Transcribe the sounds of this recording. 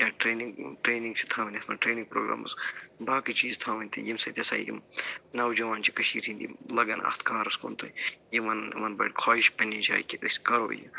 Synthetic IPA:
jaːʈɾeːniŋɡʈɾeːniŋɡt͡ʃʰi̥t̪ʰaːʋɐnʲɐsmɐʈɾeːniŋɡ̚pɾo̰ːɡɾa̰ːmɐ̰sbaːkit͡ʃiːzt̪ʰaːʋɐnʲt̪ijimsɐt̪ʲɐsa̰ːjḭmnɐːwd͡ʒɐʋaːnt͡ʃikɐʃiːɾĩnd̪ḭlɐɡɐnɐ̰xt̪kaːɾɐsko̰ːnt̪ʰojiʋɐnʋɐnbɐ̰ʈkʰaːiʃpɐnid͡ʒa̰ːikʲiɐsʲkɐɾo̰ːjḭ

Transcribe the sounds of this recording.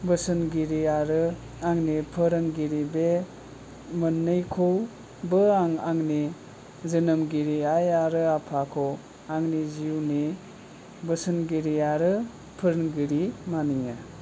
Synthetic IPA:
bɯsɯnɡiɾiaɾɯ | aŋnipʰɯɾɯŋɡiɾibe | mɯnːɯjkʰow | bɯaŋaŋni | zɯnɯmɡiɾiajaɾɯapʰakʰow | aŋniziwni | bɯsɯnɡiɾiaɾɯ | pʰɯɾɯŋɡiɾimaniŋɯ

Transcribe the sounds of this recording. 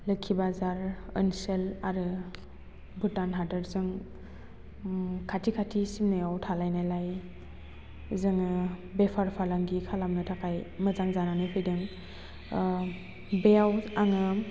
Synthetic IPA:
lɯkʰːibazaɾə̰nselaɾɯ | bɯtanɦadɯɾzɯŋ | kʰatʰikʰatʰisimnɯjawtʰalajnajlaj | zɯŋɯbepʰaɾpʰalaŋɡikʰalamnɯtʰakʰajmɯzaŋzananɯjpʰɯjdɯŋ | beawaŋɯ

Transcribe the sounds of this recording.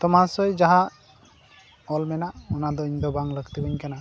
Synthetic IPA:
t̪ɔmasɔjd͡ʒaɦa | ɔlmɛnaɔnad̪ɔiɲd̪ɔbaŋləɡt̪ibəɲkana

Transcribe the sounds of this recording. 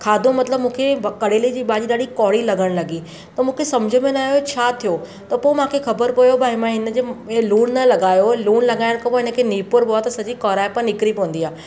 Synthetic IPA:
kʰaːd̪ʱũmɐt̪ləbmũːkʰekɐɽ̤elid͡ʑiːɓaːd͡ʑiːɗaːɽikɔːɽilɐɡʱəɽ̃lɐɡi | t̪ɐmũːkʰesɐmd͡ʑʱəmẽnaːɦjot͡ɕʰaːt̪ʰijo | t̪ɐpoːemãːkʰexɐbəɾpɐjobaɦɪmãɦɪnəd͡ʑeːluːɳnɐlɐɡaːjoluːɽlɐɠaːɪɾkɐboɦɪnə̆kʰeːniːpʊɾboat̪ɐsɐd͡ʑikɔːɾaːepɐɾnɪkɾipoʋə̃nd̪iaː

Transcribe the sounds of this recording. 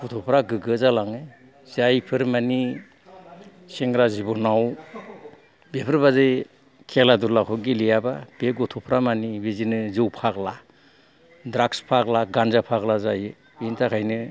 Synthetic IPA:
ɡɔtʰɔpʰɾaɡɯɡɯzalaŋɯ | zajpʰɯɾmani | seŋɡɾazibɔnaw | bepʰɯɾbazɯj | kʰeladulakʰɔɡilijabab̥eɡɔtʰɔpʰɾamanibizinɯzɯwpʰakla | dɾakspʰaklaɡanzapʰaklazajɯ | bintʰakʰajnɯ

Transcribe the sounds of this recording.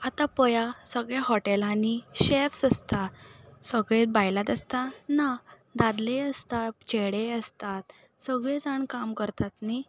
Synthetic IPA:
at̪apəjasəɡɭɛɦɔʈelaniɕefsəst̪asəɡɭẽt̪bajlat̪əst̪ana | d̪ad̪leəst̪at̪̚t͡ɕeɽeəst̪at̪ | səɡɭẽd͡zaɳkamkəɾt̪at̪ni

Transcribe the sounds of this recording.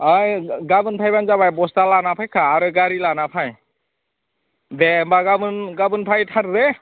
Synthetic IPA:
ajɡabɯnpʰajbanzaβajbɔstalanapʰajkʰaːɾɯɡaɾilanapʰaj | dɛmbaɡabɯnɡabɯnpʰajtʰaɾɾɛ

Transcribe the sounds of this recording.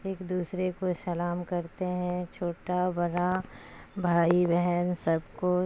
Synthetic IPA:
eːkd̪uːsɾekosɐlaːmkɐɾt̪eɦɛ̃t͡ʃʰoːʈabɐɽa | bʱaːibɛɦɛnsɐbko

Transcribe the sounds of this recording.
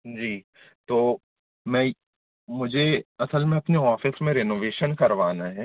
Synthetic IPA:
d͡ʒiː | t̪oː | mɛ̃ː | mʊd͡ʒʱeɐsəlmẽɐpneɔːfʰɪsmẽɾeːnoːʋeːʃənkəɾʋaːnaːɦɛː

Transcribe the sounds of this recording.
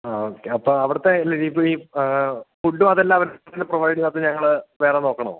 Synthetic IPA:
aoːkːeɐpːoːɐʋiɽɐt̪ːelːeipiː | fuɳɖumɐðelːaːɐʋɐɾinːeproʋɐjɖiŋat̪ːeɲɐŋːɐɭʋe̞ːreno̞ːkːɐɳɐmo̰

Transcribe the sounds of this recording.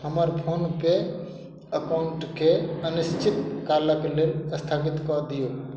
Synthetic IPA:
ɦəməɾpʰonpe | əkaʊɳʈkʰeənɪst͡ʃʰɪt̪kalakeleːləst̪ʰaːpɪt̪kɔɾd̪ijoː

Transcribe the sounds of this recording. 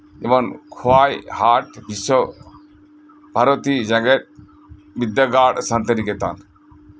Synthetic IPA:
ebɔnkʰoajhaʈbisɔ | bʱaɾɔt̪id͡ʒaɡɛt̪̚ | bid̪ːjaɡaɽsant̪eɾiket̪a̰n

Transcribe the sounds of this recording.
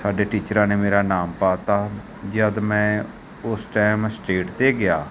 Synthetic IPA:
saːɖeːʈiːt͡ʃɾãːneːmeːɾaːnaːmpaːt̪ãː | d͡ʒəd̪mɛ̃ː | ʊsʈɛːmsʈeːʈt̪eːɡɪjaː

